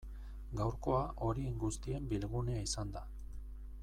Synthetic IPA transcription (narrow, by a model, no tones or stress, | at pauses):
ɡawɾko̞aʔo̞ɾieŋɡust̪ie̞mbilɣune̞aisand̪a